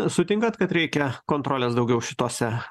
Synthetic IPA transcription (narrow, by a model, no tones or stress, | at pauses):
sʊt̪ʲɪŋkɐt̪kɐt̪ɾʲɛɪkʲɛkoːnt̪ɾoːlʲeːsd̪ɒʊɡʲɛʊʃʲɪt̪oːsʲɛ